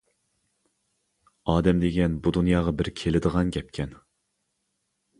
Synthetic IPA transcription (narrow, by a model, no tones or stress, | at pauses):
ɑːd̪ɛmd̪eɡʲɛnbud̪unjɑːʁɑbɪɾkʲʰelɪd̪əʁɑnɡʲɛp̚kʲʰɛn